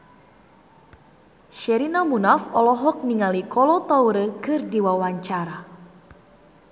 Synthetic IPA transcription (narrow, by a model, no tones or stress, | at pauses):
ʃɛɾinamunafɔlɔɦɔk̚niŋalikɔlɔt̪awɾəkɨrdiwawaɲt͡ʃaɾa